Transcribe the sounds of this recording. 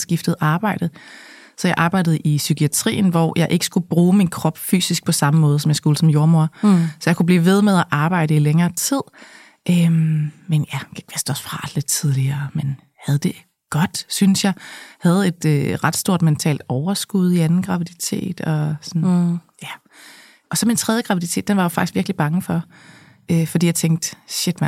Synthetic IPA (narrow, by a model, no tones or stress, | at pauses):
sɡ̥ifd̥ð̞̩ˠɑ̈ːb̥ɑ̈ɪ̰d̥ð̩ˠ | sɒ̽jɑ̈ɪʔɑ̈ːb̥ɑ̈ɪd̥əð̞̩ˠisykiæt͡sʰʁḭːn̩ʋɒjʔɑ̈ɪʔe̝ɡ̥əsɡ̥ub̥ʁuːminkʰʁɒ̽b̥fy̰ːsisɡ̥̚pʰɒ̽sɑ̈məmɔ̽ːð̞ˠsɒ̽mjɑ̈ɪsɡ̥uləsɒ̽mjo̝ɐmo̝ɐ̰sɒjɑ̈kʰub̥liːʋe̝ð̞ˠmeðˠæʔɑ̈ːb̥ɑ̈ɪ̰ɾəileŋɐːt͡sʰið̞̰ˠ | ʔømmenjæɡ̥e̥ʋesd̥ɒsfʁɑ̰d̥le̝d̥t͡sʰið̞ˠliɐːmen | hæðˠd̥e̝ | ɡ̥ɒ̽d̥synsjɑ̈ɪhæð̞̩ˠe̝d̥øʁɑ̈d̥sd̥o̝ɐ̰d̥ment͡sʰɛ̰ːld̥ɒʊɐsɡ̥uð̞ˠiænn̩ɡ̥ʁɑ̈ʋið̥it͡sʰe̝̰ːd̥ɒ̽sɒ̽njæ | ʔɒ̽sɒ̽mint͡sʰʁɛðˠjəɡ̥ʁɑʋið̥it͡sʰe̝̰ːd̥enʋɑ̈jofɑ̈ɡ̥isɡ̥ʋiɐɡ̥lib̥ɑ̈ŋəfɒ̽ | ʔøfɒdḭːjɑaɪt͡sʰeŋ̰ɡ̥d̥ɕe̝d̥mæ